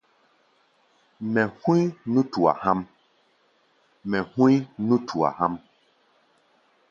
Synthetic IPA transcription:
mɛ˨hũ˦i˦nũ˦tu˨a̰˨hã˦m | mɛ˨hũ˦i˦nũ˦tʰu˨a̰˨ha˦m

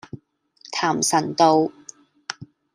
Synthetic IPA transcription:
t̪ʰaː˨˩msɐ˨˩nt̪o˧w

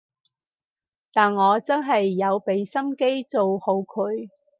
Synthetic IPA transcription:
t̪aː˨nŋɔː˨˧t͡sɐ˥nɦɐ˨jːɐ˨˧wpe˨˧˥jsɐ˥mke˥jt͡so˨who˨˧wkʰɵ˨˧ɥ

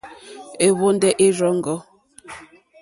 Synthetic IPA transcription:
e˨βo˦ndɛ˦ʔe˦ɾɔ˦ŋ˦ɡɔ˦

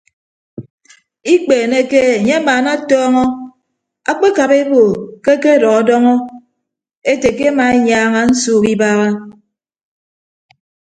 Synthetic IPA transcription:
i˦k͡peː˨ne˦ke˦e˨ɲe˦a˦maː˨na˦tɔː˦ŋɔ˦ | a˦k͡pe˦ka˨βe˦bo˨ke˦ke˦dɔ˨ɣa˦dɔ˦ŋɔ˦ | e˦te˨ke˦a˦ma˨e˦ɲaː˦ŋa˦n̩˦suː˦˨ki˦baː˦ɣa˦

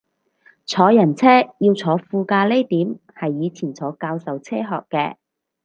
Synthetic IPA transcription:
t͡sʰɔː˨˧jɐ˨˩nt͡sʰɛː˥jiː˧wt͡sʰɔː˨˥fuː˧kaː˧le˥jt̪iː˨˥m | hɐ˨jːiː˨˧t͡sʰiː˨˩nt͡sʰɔː˨˥kaː˧wsɐ˨wt͡sʰɛː˥ɦɔ̰ː˨kːɛː˧

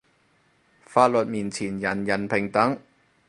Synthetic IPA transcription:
faː˧t̚lɵ˨t̚miː˨˩nt͡sʰiː˨˩njɐ˨˩njɐ˨˩npʰɪ˨˩ŋt̪ɐ˨˥ŋ

